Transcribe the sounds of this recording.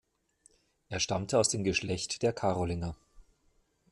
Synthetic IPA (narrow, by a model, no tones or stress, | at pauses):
ʔeːɐʃtamtəaʊsd̥eːmɡəʃlɛçtd̥eːɐkʰaʁolɪnɐ